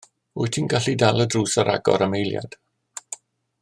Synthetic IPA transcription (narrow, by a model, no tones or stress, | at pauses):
ʊɨtʰinɡaɬidalˠədruːsaɾa̰ɡɔ̰ɾəmejlˠja̰d̥